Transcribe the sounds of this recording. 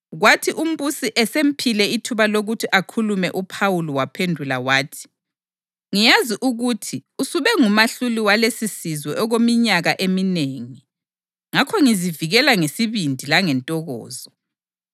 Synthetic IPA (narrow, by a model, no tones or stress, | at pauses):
ɣwatʰiʔum̩βusiʔɛsem̩pʰilɛitʰuβaloɣutʰiʔakʰulumɛʔupʰawulɔwapʰendʱulawaːtʰi̥ | ŋijaziʔuɣutʰiusuβɛŋumaɬuliwalesisizwɛʔɔɣomiɲaɣaʔemineːŋi | ŋakʰɔŋiziviɣɛlaŋesiβindʱilaŋɛntʼɔɣɔ̰ːzɔ